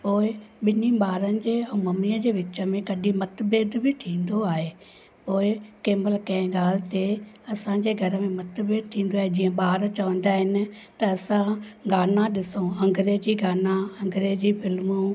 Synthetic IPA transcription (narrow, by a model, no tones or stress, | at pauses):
poːɪɓɪniɓaːɾənɪ̆d͡ʑeːɛ̃ːmɐmijə̃d͡ʑeːʋɪt͡ɕə̆mẽkɐɗĩmɐt̪beːd̪bʱɪt̪ʰĩːnd̪oaːɦeː | poːɪkeːməlkɐ̃ɪ̃ɡaːl̤ɪt̪e | ɐsãd͡ʑeːɡʱɐɾəmẽmɐt̪beːd̪̚t̪ʰĩːn̆d̪oaːɦed͡ʑĩːə̃ɓaːɾt͡ɕɐʋə̃nd̪aɦɪnɪ̆ | t̪ɐːsã | ɡaːnãɗɪsõɐ̃ŋɡʱɾeːd͡ʑiːɡaːnãɐ̃ŋɡɾeːd͡ʑiːfʰɪlmu